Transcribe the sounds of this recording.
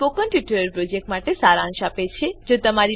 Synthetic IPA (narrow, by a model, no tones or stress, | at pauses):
pokənʈjuʈəɾəɾpɾod͡ʒek̚ʈmaʈesaɾãŋʃapet͡ʃʰed͡ʒot̪əmaɾi